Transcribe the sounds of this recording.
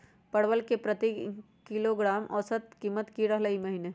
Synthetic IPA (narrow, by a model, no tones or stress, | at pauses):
pɐɽwəlkepɾɐt̪i | kiloɡɾaːmʔɔ̰ːsət̪kiːmːət̪kiɾɐɦləimɐɦineː